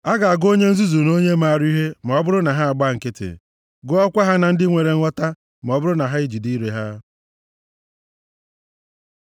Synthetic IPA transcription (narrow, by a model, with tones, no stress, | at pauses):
a˦ɡa˨a˨ɡo˦ɲe˦n̩˦zu˦zu˨no˦ɲe˦ma˨a˨ɾi˦ɦe˦ma˨ɔ˦bʊ˦ɾʊ˦na˨ɦa˦a˨ɡ͡ba˦˨ŋ̩˨ke˦tḛ˨ | ɡʊ˦ɔ˦kʷa˦ɦa˦na˨n̩˦dɪ˦ŋʷe˨ɾe˨ŋ̩ʷ˦ɔ˦ta˦ | ma˨ɔ˦bʊ˦ɾʊ˦na˨ɦa˦i˦d͡ʒi˨di˦ɾe˨ɦa˦